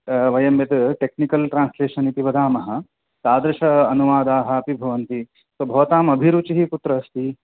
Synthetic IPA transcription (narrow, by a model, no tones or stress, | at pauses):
ʋɐjɐmjɐt̪ʈeknikɐlʈɾaːnsleːʃɐnit̪iʋɐd̪ʱaːmɐɦɐ̆ | t̪aːd̪ɾɐʃɐːnuʋaːd̪aːɦɐɐpibʱɐʋɐnt̪i | sobʱɐʋt̪aːmɐbʱiɾut͡ɕiɦiput̪ɾɐːst̪i